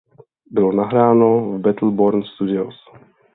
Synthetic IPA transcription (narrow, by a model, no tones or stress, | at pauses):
bɪlɔnaɦɾaːnovbɛt̪l̩boɾnst̪ud̪ɪos